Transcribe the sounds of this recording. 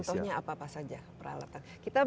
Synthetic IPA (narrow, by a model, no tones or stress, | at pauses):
nt̪ɔhɲaapaːpahsad͡ʒapəɾa̰la̰t̪ankit̪a